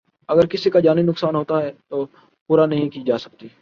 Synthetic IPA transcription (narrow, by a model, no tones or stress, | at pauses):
ɐɡəɾkɪsikad͡ʒaːninʊksaːnɦoːt̪aɦɛːt̪oː | puːɾanɐɦĩkiːd͡ʒaːsɐk̚t̪iː